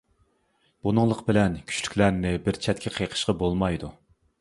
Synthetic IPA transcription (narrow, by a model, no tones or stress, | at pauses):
b̥unɨŋlˠəqbɪlɛnkʲʰy̥t͡ʃly̥kʲlæɾnɪbɪɾt͡ʃʰɛt̪ʲkʲʰɛqʰejqʰə̥ʃqɑbolˠmɑjd̪u